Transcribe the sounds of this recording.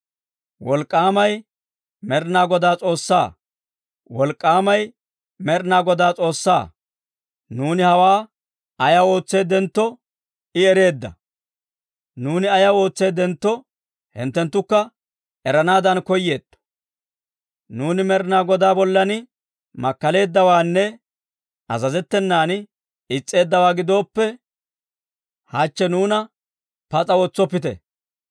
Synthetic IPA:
wɔlkʼːaːmɐj | mɛɾnaːɡɔd̪aːt͡sʼo̞ːsːa̰ː | wɔlkʼːaːmɐj | mɛɾnaːɡɔd̪aːt͡sʼo̞ːsːa̰ː | nuːnɪhɐwaː | ɐjɐwo̞ːt͡sːe̞ːd̪ɛnt̪ːɔ | ɪɛɾe̞ːd̪ːɐ̰ | nuːnɪɐjɐwo̞ːt͡sːe̞ːd̪ɛnt̪ːɔ | hɪ̰nt̪ːɛnt̪ːʊkːɐ | ɛɾɐnaːd̪ɐnkɔjːe̞ːd̪̥ːɔ̥ | nuːnɪmɛɾɪnaːɡɔd̪aːbɔlːɐnɪ | mɐkːɐle̞ːd̪ːɐwaːnːɛ | ʔɐ̰zɐzɛt̪ːɛnːaːn | ɪt͡sʼːe̞ːd̪ːɐwaːɡɪd̪o̞ːpːɛ | hat͡ʃːɛnuːnɐ | pɐt͡sʼɐwɔt͡sːɔpːɪt̪ɛ̰

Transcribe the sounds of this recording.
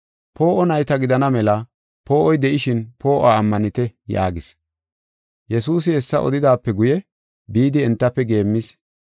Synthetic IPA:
po̞ːʔɔnɐjt̪ɐɡɪd̪ɐnɐmɛlɐ | po̞ːʔɔjd̪ɛʔɪʃɪnpo̞ːʔaːmːɐnɪt̪ɛja̰ːɡɪs | jɛsuːs̬ɪɛsːɐ̰ʔɔ̰d̪ɪd̪aːpːɛɡʊjɛ | biːd̪ɪːnt̪ːɐpːɛɡe̞ːmːɪs

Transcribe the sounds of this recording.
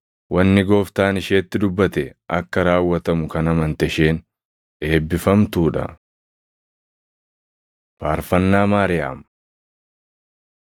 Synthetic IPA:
wɐnːɪɡo̞ːft̪aːnɪʃeːt̪ːɪd̪ʊbːɐt̪ɛʔɐkːɐɾaːwːɐt̪ɐmʊkɐnɐmɐnt̪ɛʃeːn | ʔe̞ːbːɪfɐmt̪uːᶑɐ̰ | faːɾfɐnːaːmaːɾɪja̰ːm

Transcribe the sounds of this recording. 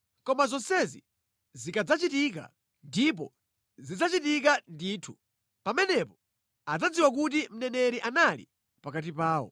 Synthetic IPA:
kɔmazɔnsɛzḭ | zikad͡zat͡ʃitik̬a̰ | ndip̬ɔ̰ | zid͡zat͡ʃitik̬andiːtʰu̥ | pamɛnɛpɔ | ad͡zad͡ziwak̬ut̬im̩nɛnɛɾiʔanalḭ | pakat̬ipaːwɔ̰

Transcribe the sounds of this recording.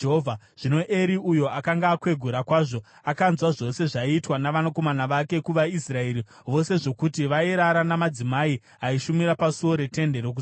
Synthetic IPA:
ɦovʱa | ʐ̥ino̞ʔe̞ɾiujo̞ʔakaŋɡaːkwe̞ɡʱuɾakwaːʐo̞ | akanzwaʐo̞se̞ʐaitwanaʋanako̞manaʋake̞kuʋaisrae̞ɾi | ʋo̞se̞ʐo̞kutiʋaiɾaɾanamad͡zimai | ɦaiʃumiɾapasuo̞ɾe̞te̞nde̞ɾok̬u

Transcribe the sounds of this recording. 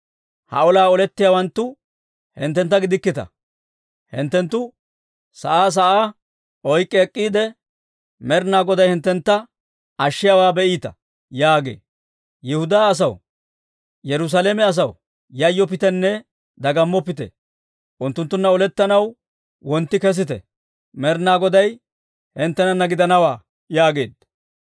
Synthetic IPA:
hɐ̰ɔlaːɔlɛt̪ːɪjawɐnt̪ːʊ | hɪnt̪ːɛnt̪ːɐɡɪd̪ɪkːɪt̪ɐ̰ | hɪ̰nt̪ːɛnt̪ːʊ | sɐ̰ʔaːs̬ɐʔaː | ʔɔjkʼːɛːkʼːiːd̪ɛ | mɛɾnaːɡɔd̪ɐjhɪnt̪ːɛnt̪ːɐ | ɐʃːɪjawaːbɛʔiːt̪ɐ̰ | jaːɡḛː | jɛhʊd̪aːɐs̬ɐw | jɛɾʊs̬aleːmɛɐs̬ɐw | jɐjːɔpɪt̪ɛnːɛ | d̪ɐɡɐmːɔpɪt̪ɛ̰ | ʔʊnt̪ːʊnt̪ːʊnːɐɔlɛt̪ːɐnɐw | wɔnt̪ːɪkɛs̬ɪt̪ɛ̰ | mɛɾnaːɡɔd̪ɐj | hɪnt̪ːɛnɐnɐɡɪd̪ɐnɐwaː | jaːɡe̞ːd̪

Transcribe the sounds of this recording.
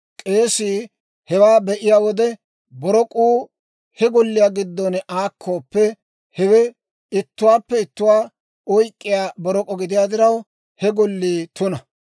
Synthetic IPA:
kʼe̞ːsiː | hɛwaːbɛʔɪjaːwɔd̪ɛ | bɔɾɔkʼuː | hɛɡɔlːɪjaːɡɪd̪ːonɛʔaːkʰːoːpːɛ | hɛwɛ | ɪt̪ːʊwaːpːɛɪt̪ːʊwaː | ɔjkʼːɪjaːbɔɾɔkʼɔɡɪd̪ɪjaːd̪ɪɾɐw | hɛɡɔlːiːt̪ʊnɐ

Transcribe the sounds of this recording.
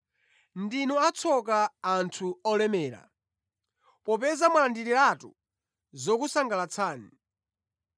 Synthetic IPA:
ndinɔat͡sʰɔk̬aːntʰuɔlɛmɛːɾa̰ | pɔpɛzamalandiɾilatṵ | zɔkusaŋɡalat͡sʰaːnḭ

